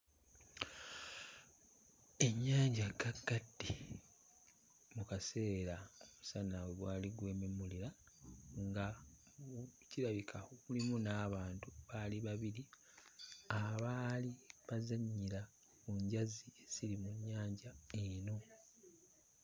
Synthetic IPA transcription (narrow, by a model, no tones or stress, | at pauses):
e̞ɲːaːɲɟaɡaɡːadːi | mukase̞ːɾaomusanawoβwaːliɡwe̞ːmemuliɾa | ŋɡa | ciɾaβikʰaoβulimunaːβaːntuβaliβaβiɾi | aβaːliβazaɲːiɾa | kuɲɟaziez̥iɾimuɲːaːɲɟaeno̞